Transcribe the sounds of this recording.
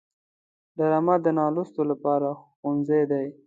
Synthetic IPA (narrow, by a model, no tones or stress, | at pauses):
d̪aɾamad̪ənɑlʊst̪olapɑɾaxonzajd̪aj